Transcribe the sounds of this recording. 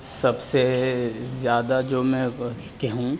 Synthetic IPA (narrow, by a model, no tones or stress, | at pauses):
sɐbse | zjaːd̪ad͡ʒoːmɛ̃ | kɛɦũ